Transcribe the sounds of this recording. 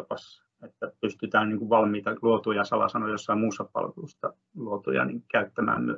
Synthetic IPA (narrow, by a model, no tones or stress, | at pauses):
pɑs | et̪ːæpyst̪yt̪æːnniːŋkuʋʋɑlmiːt̪ɑluot̪ujɑsɑlɑ̰sɑnojjosːɑimmuːsːɑppɑ̰lʋust̪ɑ | luot̪ṵjɑ̰nḭːŋkæyt̪ːæmæ̰ːmmy̰